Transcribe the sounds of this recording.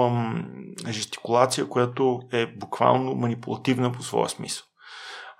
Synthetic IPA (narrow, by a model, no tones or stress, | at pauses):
ʒəst̪i̥kulˠat̪sijəkʊjat̪oɛbukva̰lˠnomɐnipulˠɐt̪ivnəposvɔ̰jə̰smḭsəlˠ